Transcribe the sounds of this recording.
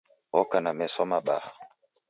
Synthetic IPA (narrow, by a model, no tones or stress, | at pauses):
ɔkanamɛsɔmaɓa̰ha